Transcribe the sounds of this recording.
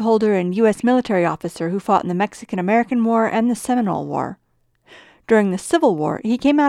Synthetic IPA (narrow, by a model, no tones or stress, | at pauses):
ɦoʊlˠdə˞ɨ̃njʉɛsmɪlˠətʰɛɹiɔfɨsə˞hufɔɾ̰̃n̩ðɨmɛksɨkɨ̃ñɨmɛɹɨkɨ̃n̩wɔɹʔɨ̰̃nðɨsɛmənə̰lˠwɔ̰ɹ | d̥ʊɹɪ̃ŋðɨsɪvl̩ˠwɔ̰ɹhikʰẽɪ̃ma